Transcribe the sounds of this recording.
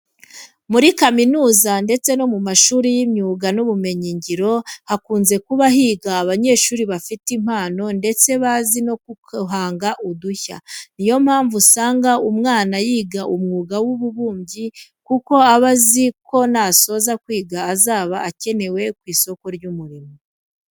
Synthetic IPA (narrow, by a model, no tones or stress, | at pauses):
muɾikaminuːzande̞t͡se̞no̞mumaʃuːɾijimɲuːɡanuβume̞ɲiɲɟiɾo̞hakuːnze̞kuβaɦiːɡaːβaɲe̞ːʃuːɾiβafitim̥haːno̞nde̞t͡se̞βazino̞kɦaːŋɡaʔuduça̰nijo̞m̥haːɱvusaːŋɡaumŋaːnajiːɡaʔumŋuːɡawuβuβuːmɟikuko̞aβaziko̞naso̞zakwiːɡaːzaːβaːce̞ne̞we̞kwiːso̞ko̞ɾɟumuɾimo